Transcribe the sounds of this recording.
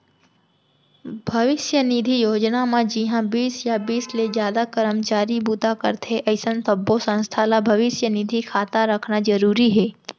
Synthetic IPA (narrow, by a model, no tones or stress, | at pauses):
bʱɐʋɪʃjənid̪ʱijoːd͡ʒnamãd͡ʒɪɦãbiːsjabiːslezjaːd̪akəɾəmt͡ʃaːɾibud̪akə̰ɾt̪ʰeʔɐɪsənt̪əbːosə̃nst̪ʰalabʱɐʋɪsjənid̪ʱikʰaːt̪aɾəkʰnad͡ʒəɾuːɾiɦɛː